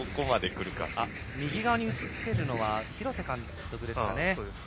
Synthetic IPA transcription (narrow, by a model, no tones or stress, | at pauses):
oko̞mad̪e̞kɯ̟ɾɯ̟ka̰a | mʲiɡʲiɡaoɲ̟iɯ̟t͡sɨt̪ːe̞ɾɯ̟no̞βaçiɾo̞sekãn | t̪o̞kɯ̟d̪e̞sɨ̥ka̰ne